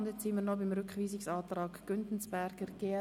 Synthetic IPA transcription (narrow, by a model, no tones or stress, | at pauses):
ndjɛt͡sːiməɾnɔbɪmɾʏkχʋiːsɪksɑːt̪rɑːkɡ̥ʏntn̩sb̥ɛɾɡ̥əɾɡ̥eɛ